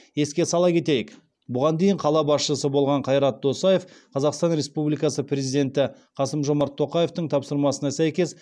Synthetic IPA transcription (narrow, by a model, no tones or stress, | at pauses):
je̞skʲe̞sɑlˠɑkʲʰe̞t̪ejɪk | bʊʁɑnd̪ejɪɴqʰɑlˠɑbɑsʃəsəbo̞lˠʁɑɴqʰɑjɾɑt̪̚d̪o̞sɑje̞fqʰɑzɑqst̪ɑnɾʲe̞spublijkɑsəprʲezijd̪ʲe̞nt̪ɪ | qʰɑsəmʒo̞mɑɾt̪ʰːo̞qɑje̞ft̪əɴt̪ʰɑpsəɾmɑsənɑsæjkʲe̞z